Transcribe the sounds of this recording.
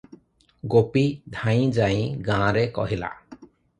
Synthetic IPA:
ɡopid̪ʱãj̃d͡ʒaj̃ɡãɾekɔ̰ɦila̰

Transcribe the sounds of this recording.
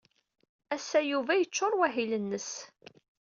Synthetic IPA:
æsæjuvæjət͡ʃːoɾˤwæɦilənːəs

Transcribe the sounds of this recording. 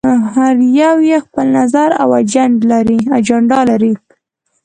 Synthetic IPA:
haɾjawjexpəlnazaɾa̰wad͡ʒaɳɖlaɾiad͡ʒaɳɖɑlaɾi

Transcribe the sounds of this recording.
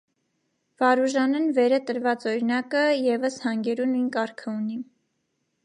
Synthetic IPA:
vɑɾuʒɑnɛnvɛɾət̪əɾvɑt͡sɔɾinɑkəjɛvəshɑŋɡɛɾunujnkɑɾkʰəuni

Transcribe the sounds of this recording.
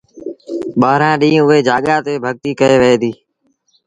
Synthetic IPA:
ɓaːɾãːɗĩːʊɦeːd͡ʒaːɠaːt̪eːbʱəɠ̚t̪iːkəeːʋeeːd̪iː

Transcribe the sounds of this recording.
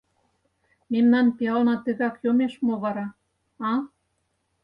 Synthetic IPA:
memnɑnpiɑlnɑt̪ə̆ɣɑkjomeʃmoβɑɾɑ | ɑ

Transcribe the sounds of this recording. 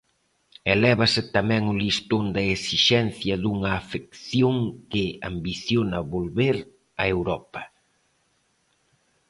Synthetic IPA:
elɛβɐsɪt̪amɛ̃ŋʊlist̪ond̪ɐesiʃɛnθjɐðuŋɐːfekθjoŋkɪa̰mbiθjonɐβolβeɾ | ɐewɾɔpɐ

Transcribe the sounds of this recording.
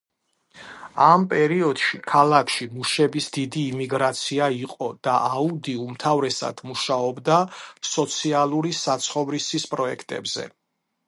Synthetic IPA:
ampʼɛɾiɔd̪̥ʃikʰalakʰʃimuʃɛbisd̪id̪iːmiɡɾat̪sʰiaiqʼɔd̪̥aʔaud̪iumt̪ʰavɾɛsa̰d̪̥muʃaɔbd̪asɔt̪sʰialˠuɾisat̪sʰχɔvɾisispʼɾɔɛkʰt̪ʼɛ̰bz̥ɛ̰

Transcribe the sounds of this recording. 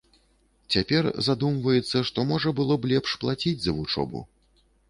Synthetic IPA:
t͡sʲapʲɛrzad̪umvɐjɛt̪sːɐʂt̪ɔmɔʐɐbɨlˠɔblʲɛpʂplˠat͡sʲid͡zʲzɐvut͡ʂɔ̰bṵ

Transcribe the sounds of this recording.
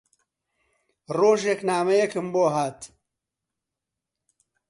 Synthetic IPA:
roːʒeknaːmɐjekɨmboːɦaːt̪

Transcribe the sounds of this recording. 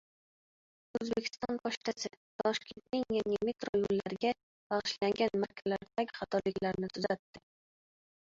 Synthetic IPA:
ɵzbekʲʰɪ̥st̪ɒnpʰɒʃt̪ʰasɪt̪ʰɒʃkʲʰe̞nt̪nɪŋjaŋʲamet̪ɾojolːaɾɪɡʲa | b̥ɑʁɨʃlaŋɡʲanmaɾkʲʰalaɾd̪aɡʲɪχɑt̪ʰɒɾlɪkʲlaɾnɪt̪ʰʊzat̪ːɪ

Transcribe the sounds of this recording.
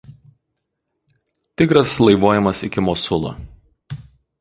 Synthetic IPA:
t̪ʲɪkɾɐslˠɐɪʋoːjɛmɐsɪkʲɪmɔːsʊlˠo̰ː

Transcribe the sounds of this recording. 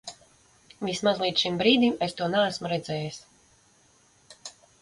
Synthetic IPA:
vʲismazlˠiːt̪ʃimbɾiːd̪imest̪uɔnaæsmuɾɛd̪zɛːjis

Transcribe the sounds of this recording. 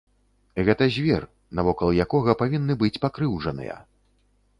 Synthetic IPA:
ɣɛt̪ɐzʲvʲɛr | nɐvɔkɐlˠjakɔɣɐpavʲinːɨbɨt͡sʲpakɾɨwʐɐnɨ̰jɐ̰

